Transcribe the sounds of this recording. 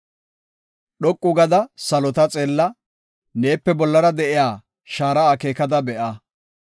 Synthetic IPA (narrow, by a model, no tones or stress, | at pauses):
ɗɔkʼːʊɡɐd̪ɐsɐlɔt̪ɐt͡sʼeːlːɐ | ne̞ːpːɛbɔlːɐɾɐd̪ɛʔɪjaː | ʃaːɾɐaːkeːkɐd̪ɐbɛʔa